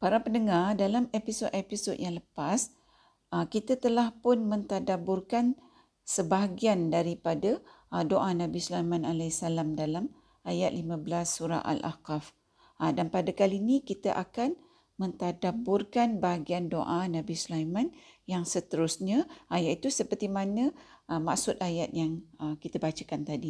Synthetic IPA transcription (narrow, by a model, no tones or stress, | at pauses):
paɾapənəŋardalamepisodepisodjaŋləpas | əkit̪at̪əlahpʊnmə̃nt̪adabʊrkan | səbaɦaɡiandaɾipada | doʔanãbislajmanalasalamdalam | ajat̪̚limãblasːuɾa̰a̰lʔa̰kaf | danpadakalinikit̪aʔakan | mə̃nt̪adabʊrkanbaɦaɡiando̰ʔanabisulajmãnjaŋsət̪əɾusɲaʔajat̪it̪usəpərt̪imanə̃ | əma̰ksʊt̪̚ajat̪̚jaŋəkit̪abat͡ʃakant̪adi